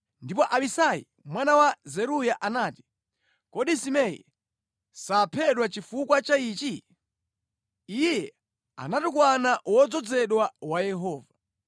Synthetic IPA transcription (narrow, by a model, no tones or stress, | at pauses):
ndipɔʔaɓisajḭ | mwanawazɛɾujaʔanaːti̥ | kɔɗisimɛjḭ | sapʰɛɗwat͡ʃifukwat͡ʃaiːt͡ʃi | ijɛ | a̰natuk̬wanawɔd͡zɔd͡zɛɗwawajɛɦɔːva